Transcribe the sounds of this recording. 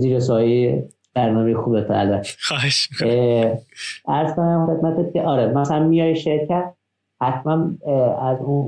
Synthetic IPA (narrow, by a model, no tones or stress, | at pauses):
ziːɾesɒːeje | b̥æɾnɒːmejexuːbet̪ʰæ̰lætxɒːheʃmikʰː | ʔæɾzkonæmxe̞t̪mæt̪ʰet̪̚cʰeʔɒːɾemæsæænmijɒːjʃeɾcʰæt̪̚ | hæt̪ʰmænæzun